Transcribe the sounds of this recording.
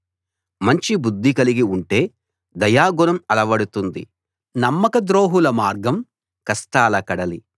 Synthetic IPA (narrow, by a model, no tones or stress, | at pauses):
mɐɲt͡ʃibud̪ʱːikɐliɡiuɳʈe̞ː | d̪ɐjaːɡunɐmɐlɐʋɐɽut̪und̪ḭ | nɐmːɐkɐd̪ɾo̞ːɦulɐmaːɾɡɐm | kɐsʈaːlɐkɐɽɐlḭ